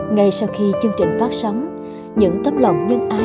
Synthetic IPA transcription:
ŋa˧jsa˧wxi˧t͡ɕɨ˧əŋt͡ɕï˨˩ŋ̟faː˦˥t̚sa˨˦wŋ͡m | ɲɨ̰˧˥ŋt̪əː˦˥p̚lə̰˧˨wŋ͡mɲɨ˧ŋʔaː˨˧˦

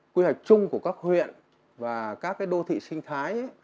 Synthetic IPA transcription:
kwi˧hwa˨˩jk̟̚t͡ɕʊ˧ŋ͡mku˧˩əkaː˦˥k̚hwḭ˧˨ən | vaː˨˩kaː˦˥k̚ːaː˨˦jɗo˧t̪ʰḭ˧˨sï˧ŋ̟t̪ʰaː˨˦jʔa˦

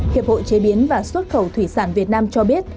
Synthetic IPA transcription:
ki˨˩əp̚ho̰˧˨t͡ɕe˨˦ɓi˨˦ənvaː˨˩swə˦˥t̚xə˨˩wt̪ʰwi˧˩saː˧˩nvi˨˩ət̚naː˧mt͡ɕɔ˧ɓi˦˥ət̚

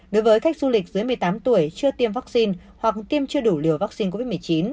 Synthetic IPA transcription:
ɗo˨˦jvəː˨˦jxa˦˥k̟̚zu˧lï˨˩k̟̚zɨ˨˦jmɨ˨˩əjt̪aː˨˦mt̪u˧˩əjt͡ɕɨ˧ət̪i˧əmvaː˦˥k̚si˧n | hwa˨˩k̚t̪i˧əmt͡ɕɨ˧əɗu˧˩li˧˩əwvaː˦˥k̚si˧nk̬o˧vi˦˥t̚mɨ˨˩ə˩jt͡ɕi˨˦n

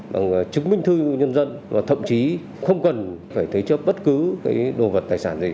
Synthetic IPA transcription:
ɓa̰ː˨˩ŋ˨˩t͡ɕɨ˨˦˥k̚mï˧ŋ̟t̪ʰɨ˧ɲə˧nzə˧nvaː˨˩t̪ʰə̰˧˨wŋ͡mt͡ɕi˨˦ | xə˧wŋ͡mkə˨˩nfaː˧˩jt̪ʰə˨˦jt͡ɕə˦˥p̚ɓə˦˥t̚kɨ˨˦kaː˨˦jɗo˧˨˩və˨˩t̚t̪aː˨˩jsaː˧˩nzi˧˩

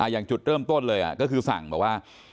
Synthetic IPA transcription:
ʔa˧jaː˨˩ŋt͡ɕu˨˩t̪̚ɾɤː˥˩mt̪o˥˩˨nlɤː˧jʔa̰˨˩kɔː˥˩kʰɯː˧fa̰˨˩ŋbɛː˨˩waː˥˩

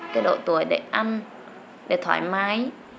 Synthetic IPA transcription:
kaː˨˦jɗo̰˧˨t̪u˧˩əjɗe˧˩ʔa˧n | ɗe˧˩t̪ʰwa̰ː˧˩˦jmaː˨˦j

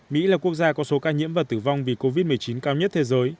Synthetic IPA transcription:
mḭ˧˥laː˨˩ku˦˥ək̚zaː˧kɔ˨˦so˨˦kaː˧ɲḭ˧˥mvaː˨˩t̪ɨ˧˩va˧wŋ͡mvi˨˩ko˧vi˦˥t̚mɨ˨˩əjt͡ɕi˨˦nkaː˧wɲə˦˥t̚t̪ʰe˨˦zəː˨˦j

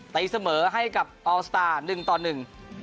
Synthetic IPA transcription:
t̪a˨˦jsa˧mɤː˩˦ɦa˥˩jka˨˩p̚ʔɔː˧st̪aː˧˩nɯ˨˩ŋt̪ɔː˨˩nːɯ˨˩ŋ

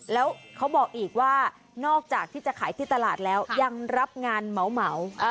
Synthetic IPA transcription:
lɛː˦˥wkʰa˦˥wbɔː˨˩k̚ʔiː˨˩k̚waː˥˩ | nɔː˥˩k̚t͡ɕaː˨˩k̚t̪ʰiː˥˩t͡ɕa˨˩ʔkʰaː˩˦jt̪ʰiː˥˩t̪a˧laː˨˩t̪̚lɛː˦˥wja˧ŋɾa˦˥p̚ŋaː˧nma˩˦wma˩˦w

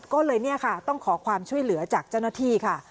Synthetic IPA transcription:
kɔː˥˩lɤː˧jni˥˩ɐkʰa˥˩t̪ɔ˥˩ŋkʰɔː˩˦kʰwaː˧mt͡ɕʰu˥˩əjlɯ˩˦ɐt͡ɕaː˨˩k̚t͡ɕa˥˩wnaː˥˩t̪ʰiː˥˩kʰa˥˩

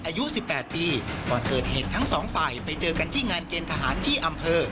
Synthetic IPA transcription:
ʔaː˧ju˦˥ʔsi˨˩pːɛː˨˩t̪̚piː˧kɔː˨˩nkɤː˨˩t̪̚heː˨˩t̪ʰːa˦˥ŋsɔː˩˦ŋfaː˨˩jpa˧jt͡ɕɤː˧ka˧nt̪ʰiː˥˩ŋaː˧nkeː˧nt̪ʰa˧ɦaː˩˦nt̪ʰiː˥˩ʔa˧mpʰɤː˧

